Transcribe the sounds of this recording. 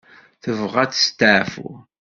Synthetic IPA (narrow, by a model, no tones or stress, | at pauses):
θəvʁæt͡sə̥st̪aʕfṵ